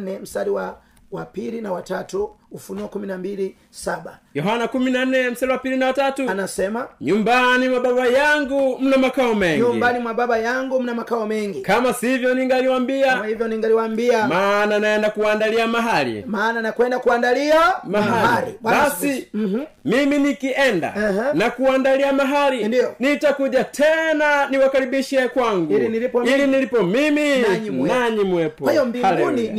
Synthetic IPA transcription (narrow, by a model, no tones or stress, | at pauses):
nɛm̩saliwa | wapilinawatatuufunuɔkuminambili | sabajɔɦanakuminan̩nɛm̩saɾiwapilinawatatunasɛmaɲumbanimwababajaŋɡum̩namakaɔmɛŋɲumibanimwababajaŋɡum̩namakaɔmɛŋɡikamasivjɔniŋɡaliwambiamahivjɔniŋɡaliwambiamananaɛndakuandaliamaɦalḭmaːnanakwɛndakuandaliamaɦaalḭbasi | miminikiʔɛnda̰nakuwandaliamaɦalindiɔnitakuʄatʰɛnaniwakaɾiɓiʃɛkwaŋɡuliniliɔilinilipɔmimiɲinaɲimwɛpɔani